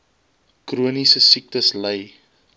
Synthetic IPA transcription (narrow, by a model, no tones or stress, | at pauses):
kruənisəsik̚təsləj